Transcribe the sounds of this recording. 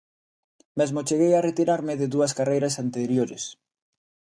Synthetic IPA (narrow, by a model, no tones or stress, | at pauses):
mezmot͡ʃeɣejaret̪iɾaɾmɪðeðuɐskarejɾasant̪eɾjoɾḛs